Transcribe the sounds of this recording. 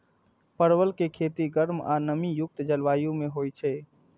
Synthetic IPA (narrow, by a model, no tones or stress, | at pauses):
pəɾwəlkekʰet̪iɡəɾma̰nəmijʊk̚t̪d͡ʒəlʋaːjũmeɦojt͡ʃʰɛ